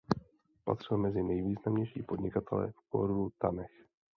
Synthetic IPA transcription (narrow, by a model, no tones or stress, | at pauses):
pa̰t̪r̝̥ɪlmɛzɪnɛjviːznamɲɛjʃiːpo̞dɲɪkat̪ɛ̰lɛ̰fkoɾdut̪anɛx